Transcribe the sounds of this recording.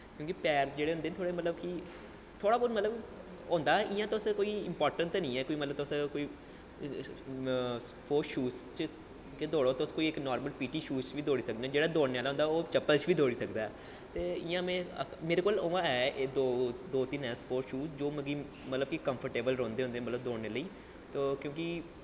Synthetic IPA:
kjõːkipɛːɾd͡ʒeːɽeːɦʊnd̪eːt̪ʰoːɽeːmət̪ləbki | t̪ʰoːɽaːboɾmət̪ləb | õːnd̪aːɛʔɪjãːt̪ʊsẽkoːiːɪ̰mpɔːɾʈəɳt̪nĩːɛːkoːiːmət̪ləb̚t̪ʊsẽkoːiː | spʰoːʃuːst͡ʃ | ked̪oːɽoːt̪ːskoːiɪknɔːɾməlpiːʈiːʃuːt͡ʃʋiːd̪oːɽiːsək̚d̪eɛ̃ːd͡ʒeːɽaːd̪oːnejaːlaɦʊ̃ːnd̪aːoːt͡ʃəpːəlt͡ʃʋiːd̪oːɽiːsəkd̪aːɛː | t̪eːɪjãːmẽːə̰meːɾeːkoːloːãːɛːd̪oːd̪oːt̪ɪnɛːspoːɾʈʃuːsd͡ʒoːməɡiː | mət̪ləb̚kikəmpʰəɾʈeːbəlɾõːnd̪eːɦõːnd̪ẽːɛ̃ːmət̪ləbd̪oːneːləiː | t̪oːkjõːki

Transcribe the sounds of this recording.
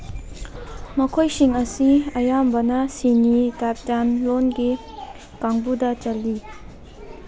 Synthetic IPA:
mɐkʰojsiŋɐsiɐjambɐnɐsinitap̚tanlonɡi | kaŋbudɐt͡ʃɐlːi

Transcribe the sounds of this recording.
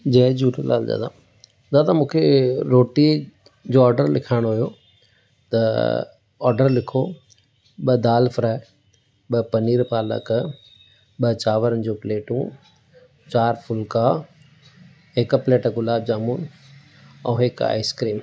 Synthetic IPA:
d͡ʑɐːd͡ʑuːɖla̰ːld̪a̰ːd̪ã̰ | d̪at̪amũːkʰeɾoːʈi | d͡ʑoːɔːɾɖəɾlɪkʰaːɪɽ̃oɦujo | t̪ɐ | ɔːɾɖəɾlɪkʰo | ɓɐd̪aːlfɾaː | ɓɐpɐniːɾpaːlə̰k | ɓɐt͡ɕaːʋəɾənɪ̆d͡ʑoːpleːʈũ | t͡ɕaːɾfʊlka | ɦɪkpleːʈəɡʊlaːb̚d͡ʑaːmuːn | ɛ̃ːɦɪka̰ːɪskɾiːm

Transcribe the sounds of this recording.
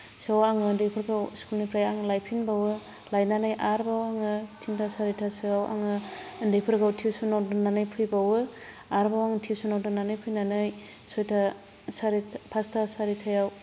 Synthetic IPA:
sawaŋɯndepʰɯɾɡawskulnipɾajaŋɯlajpʰinbawɯ | lajnanajʔaɾbawaŋɯtʰiŋtʰasaɾitʰasɯawʔa̰ŋɯndepʰɯɾɡawtʰiwsunawdɯnanɯjpʰɯjbawɯ | aɾbawaŋtʰisunawdɯnanɯjpʰɯjnanɯj | sɔjtʰa | saɾipʰastʰasaɾitʰajaw

